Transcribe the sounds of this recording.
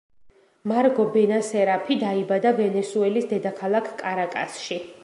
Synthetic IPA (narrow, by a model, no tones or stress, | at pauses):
maɾɡɔbɛnasɛɾapʰid̪aibad̪avɛnɛsuɛlisd̪ɛd̪akʰalˠakʰkʼaɾakʼa̰sʃi